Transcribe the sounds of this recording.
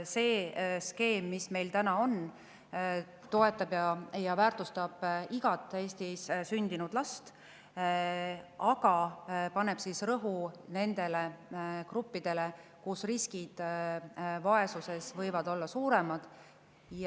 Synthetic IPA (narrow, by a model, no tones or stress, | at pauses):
se̞ːske̞ːmːisme̞jlt̪ænɑo̞n | t̪o̞e̞t̪ːˑɑbjɑjɑvæːrt̪ˑust̪ɑb̥iɡ̥ɑt̪ːˑe̞ːst̪issynd̪̥inud̪̥lɑst̪ | ɑɡ̥ɑpɑne̞b̥sisrɤɦune̞nd̪e̞le̞krupːid̪̥e̞le̞kusriskid̪̥ | vɑe̞suse̞svɤjvɑd̪o̞lːɑsuːɾe̞mɑd̪̥ | j